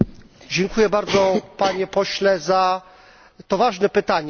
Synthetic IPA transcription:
d͡ʑɛŋkujɛbaɾd̪zɔpaɲɛpɔɕlɛza | t̪ɔvaʐnɛpɘt̪aɲ

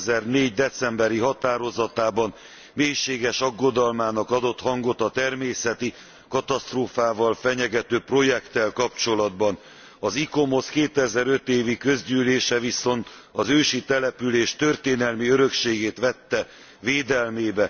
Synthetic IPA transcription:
zɛrneːɟd̪ɛt̪sɛmbɛɾiɦɒt̪aːɾo̞zɒt̪aːbɒn | meːjʃeːɡɛʃɒɡːo̞d̪ɒlmaːnɒkɒd̪o̞t̪hɒŋɡo̞t̪ɒt̪ɛrmeːsɛt̪i | kɒt̪ɒst̪roːfaːvɒlfɛɲɛɡɛt̪øːpro̞jɛkt̪ɛlkɒpt͡ʃo̞lɒd̪bɒn | ɒziko̞mo̞skeːt̪ɛzɛɾø̞t̪eːvikø̞zɟyːleːʃɛviso̞nt̪ | ɒzøːʃit̪ɛlɛpyleːʃt̪ø̞rt̪eːnɛlmiøɾø̞kʃeːɡeːt̪ʋɛt̪ːɛ | veːd̪ɛlmeːbɛ

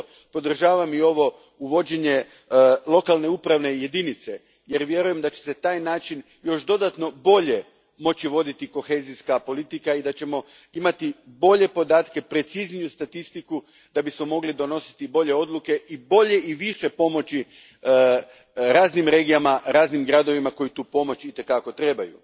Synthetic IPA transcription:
po̞d̪r̩ʒaːʋamio̞ʋo̞ | uʋo̞d͡ʑe̞ɲe̞ | lˠo̞kalˠne̞upɾaʋne̞je̞d̪init̪se̞ | je̞ɾʋje̞ɾuje̞md̪at͡ɕe̥se̞t̪aːjnaːt͡ʃin | jo̞ʃd̪o̞d̪at̪no̞bo̞ʎe̞ | mo̞t͡ɕiʋo̞d̪it̪iko̞xe̞ːziskapo̞lit̪ikaid̪at͡ɕe̞mo̞ | imat̪ibo̞ʎe̞po̞d̪aːt̪ke̞pɾe̞t̪siznijust̪at̪ist̪iku | d̪̥abismo̞mo̞ɡlid̪o̞no̞si̥t̪ibo̞ʎe̞o̞d̪luke̞ʔibo̞ʎe̞ʔiʋiʃe̞po̞mo̞t͡ɕi | ɾaːznimɾe̞ːɡijamaɾaːznimɡɾad̪o̞ʋimako̞jit̪uːpo̞mo̞t͡ɕit̪e̞kako̞t̪ɾe̞bajṵ

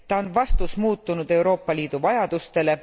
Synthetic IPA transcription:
t̪ɑonvɑst̪usmuːt̪ːˑunud̪̥e̞wɾo̞ːpːˑɑliːd̪̥uvɑjɑd̪̥ust̪e̞le̞

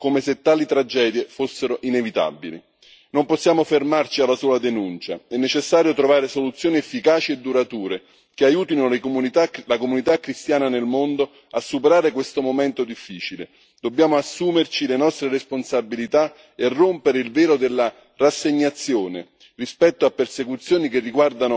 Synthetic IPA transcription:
komeset̪ːaːlit̪ɾad͡ʒɛːd̪jefosːeɾoʔinevit̪a̰bːilḭ | nomposːjaːmofermart͡ʃialːasuːad̪enunt͡ʃa̰ɛnːet͡ʃesːaːɾjot̪ɾovaːɾesolut̪sːjoːniɛfːikaːt͡ʃied̪ːuɾat̪uːɾe | keajuːt̪inot̪alakomunit̪akɾist̪jaːnanelmond̪o | asːupeɾaːɾekwest̪omomɛnt̪od̪ifːiːt͡ʃilḛ | d̪̥obːjaːmoasːuːmert͡ʃilenɔst̪ɾeresponsabilit̪a | erːompeɾeilvɛːɾod̪elːa | rasːeɲːat̪sːjoːnḛ | rispɛt̪ːoapːersekut̪sːjoːnik̟erːiɡward̪ano

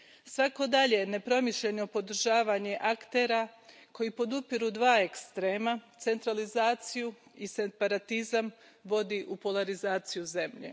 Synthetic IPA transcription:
sʋako̞d̪aʎe̞ne̞pɾo̞miʃʎe̞no̞po̞d̪r̩ʒaːʋaːɲe̞ʔakt̪e̞ːɾako̞jipo̞d̪upiɾud̪ʋaːekst̪ɾeːmat̪se̞nt̪ɾalizaːt̪sijuisepaɾat̪izam | ʋo̞d̪iʔupo̞lˠaɾizaːt̪sijuze̞mʎḛ

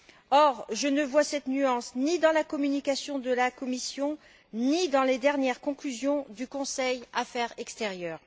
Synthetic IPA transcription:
ɔʁʒənəvwasɛt̪nyɑ̃snid̪ɑ̃lakɔmynikasjɔ̃d̪əlakɔmisjɔ̃ | nid̪ɑ̃led̪ɛʁnjɛʁkɔ̃klyzjɔ̃d̪ykɔ̃sɛjafɛʁɛkst̪eʁjœːʁ

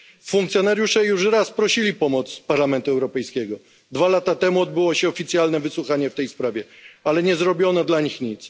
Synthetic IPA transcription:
fːuŋkt̪sʲjɔnaɾjuʂɛjuʂɾaspɾɔɕilʲipɔmɔt̪spaɾlamɛnt̪uɛwɾɔpɛjskʲɛɡɔ | d̪valat̪at̪ɛmuɔd̪̚bɘwɔɕɛɔfʲit̪sʲjalnɛvɘswuxaɲɛft̪ɛjspɾavʲjɛalɛɲɛzɾɔbʲjɔnad̪laɲixɲit̪s

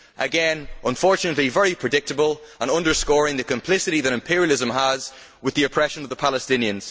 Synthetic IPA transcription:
ʔəɡɛ̃nʔə̃ɱfɔɹt͡ʃənəʔˡlivɛɹipʰɹ̥ɨdɪk̚təbəlˠə̃nʌ̃ndə˞skɔɹɪ̃ŋðəkʰə̃mpʰl̥ɪsɪɾiðəɾɪ̃mpʰɪɹiəlˠɪzə̃məz | wɪðiəpʰɹ̥ɛʃə̃nəvðəpʰalˠəstɪ̃niə̃nz̥

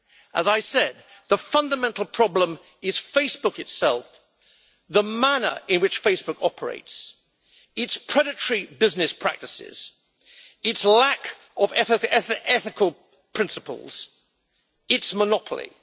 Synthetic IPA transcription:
ʔəzaɪsɛd̪̚ | ðəfʌ̃ndəmɛ̃ntˡl̩ˠpʰɹ̥ɑblə̃m | ɪz̥feɪsb̥ʊkɨtsɛlˠf | ðəmænə̰ɹɪ̃nwɨt͡ʃfeɪsb̥ʊkʰɑpʰə˞ḛɪts | ɨtspʰɹ̥ɛɾɨtəɹibɪznɨspʰɹ̥æ̰k̚tɨsɪ̰z̥ | ɨtslæk | ʔəvɛθɪɛɛθɪkʰəlˠ | pʰɹ̥ɪ̃nsəpə̰l̩ˠz̥ | ɪtsmənɑpʰəl̩ˠḭ

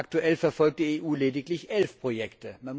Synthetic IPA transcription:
ak̚tuʔɛlfɛɐfɔlk̚td̥iːeːʔuːleːdɪklɪçʔɛlfpʁ̥ojɛktəman

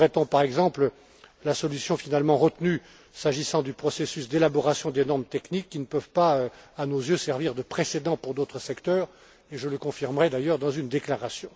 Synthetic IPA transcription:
ʁɛt̪ɔ̃paʁɛɡzɑ̃plə | lasɔlysjɔ̃finalmɑ̃ʁət̪ny | saʒisɑ̃d̪ypχɔsesysd̪elabɔʁasjɔ̃d̪enɔʁmt̪ɛknikːinəpœvpaøanozjøsɛʁviʁd̪əpχesed̪ɑ̃puʁd̪ot̪χəsɛkt̪œːʁ | eʒələkɔ̃fiʁmʁɛd̪ajœʁd̪ɑ̃zynd̪eklaʁasjɔ̃

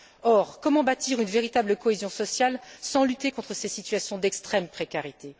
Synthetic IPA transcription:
ɔʁkɔmɑ̃bat̪iʁynveʁit̪abləkɔezjɔ̃sɔsjalsɑ̃lyt̪ekɔ̃t̪χəsesit̪ɥasjɔ̃d̪ɛkst̪χɛmpχekʲaʁit̪e

